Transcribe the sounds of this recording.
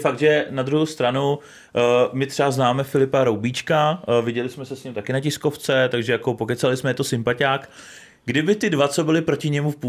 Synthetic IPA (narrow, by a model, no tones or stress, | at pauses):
fak̚d̪ʒɛnad̪ɾuɦowst̪ɾanu | mɪt̪r̝̥ɛaznaːmɛfɪlɪpaɾowbiːt͡ʃkavɪɟɛlɪsmɛsɛsɲɪmt̪akɪnacɪsko̞ft͡sɛt̪aɡʒɛjakopokɛt̪salɪsmɛjɛt̪osɪmpacaːk | ɡdɪbɪt̪ɪdvat͡so̞bɪlɪpɾo̞cɪɲɛmufpu